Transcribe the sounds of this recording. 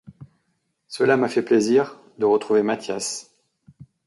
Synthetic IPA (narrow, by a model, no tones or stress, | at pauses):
səlamafɛpleziʁ | d̪əʁət̪χuvemat̪jas